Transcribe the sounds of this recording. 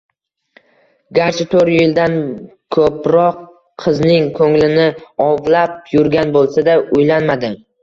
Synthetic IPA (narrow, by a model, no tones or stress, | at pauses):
ɡʲaɾt͡ʃʰɪt̪ʰoɾjɪld̪ankʰɵpɾɒqʰː | ɨznɪŋkʰɵŋlɪnɪɒvlap̚jʊɾɡʲanbolˠsad̪aʊjlanmad̪ɪ